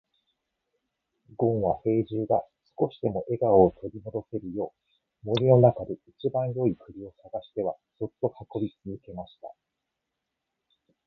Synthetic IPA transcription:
ɡ̥õ̞ɰ̃βaɸe̞ːʑɨːɡasɨ̥ko̞ɕi̥t̪e̞mo̞ʔe̞ɡaoːt̪ʰo̞ɾʲimo̞d̪o̞se̞ɾɯ̟jo̞ː | mo̞ɾʲino̞nakad̪e̞it͡ɕibãɰ̃jo̞ikɯ̟ɾʲio̞saɡaɕi̥t̪e̞βa | so̞t̪ːo̞kako̞bʲit͡sɨzɨke̞maɕi̥t̪a̰

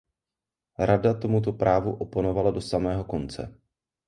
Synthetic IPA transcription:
ɾadat̪o̞mut̪̬o̞pɾʔaːvuʔo̞pono̞valado̞samɛːɦo̞ko̞nt͡sɛ̰

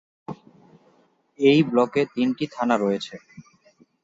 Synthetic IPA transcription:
ejblɔket̪inʈit̪ʰanaɾɔjet͡ɕʰe

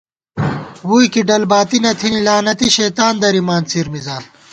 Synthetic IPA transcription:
wuːjkiɖɐlbaːt̪inɐt̪ʰinilaːnɐt̪iɕɐːt̪aːnd̪ɐɾimaːnt͡siɾmizaːn

